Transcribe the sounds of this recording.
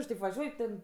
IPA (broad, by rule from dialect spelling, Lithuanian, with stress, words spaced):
ɪr tɐɪp ʋɐˈʒʲuɔj tʲɛn